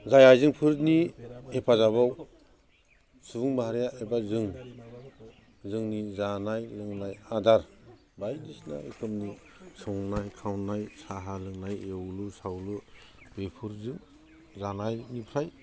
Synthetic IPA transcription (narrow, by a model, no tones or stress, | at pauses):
zajajzɯŋpʰɯɾniepʰazaβaw | subuŋbaɦaɾjaʔebazɯŋ | zɯŋnizanajlɯŋnajadaɾ | bajdisna̰kʰɯmni | sɔŋnajkʰawnajsaɦalɯŋnajewlɯsawlɯ | bepʰɯɾzɯŋ | zanajnipʰɾaj